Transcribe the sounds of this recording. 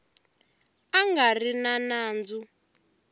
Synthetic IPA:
aŋɡarinanaːnd͡zu

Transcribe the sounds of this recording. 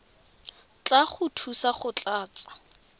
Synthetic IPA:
t͡ɬʼaχʊtʰusaχʊt͡ɬʼaːt͡sʼḁ

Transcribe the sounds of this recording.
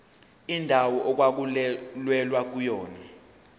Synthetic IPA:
indʱawɔʔɔk̬wak̬ulwɛlwak̬ujɔːna

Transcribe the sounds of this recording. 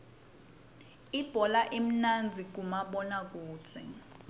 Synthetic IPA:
ib̥ʱɔlaʔem̩nand͡zʱik̬umaɓɔnak̬uːt͡sʰɛ̰

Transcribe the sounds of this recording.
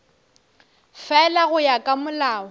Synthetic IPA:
fɛlaɣʊjakʼamʊlaːɔ

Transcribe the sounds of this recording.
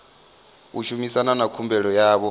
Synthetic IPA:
uʃumisananakʰumbɛɺɔjaːβɔ

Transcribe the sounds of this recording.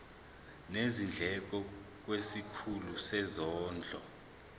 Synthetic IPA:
nezind͡ɮʱɛk̬ʼɔk̬wesikʰulusɛzɔːnd͡ɮʱɔ

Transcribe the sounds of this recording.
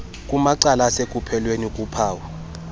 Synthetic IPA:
kʼumaǀalasekʼupʰɛlwenikʼupʰaːwa

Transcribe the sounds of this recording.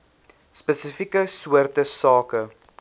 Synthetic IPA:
spəsəfikəsuərtəsɑːkə

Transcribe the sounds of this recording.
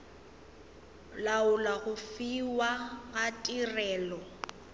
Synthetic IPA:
laʊlaɣʊfiwaɣatʼirɛːlɔ

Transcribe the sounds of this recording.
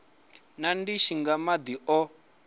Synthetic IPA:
nandiʃiŋɡamad̪iʔɔ

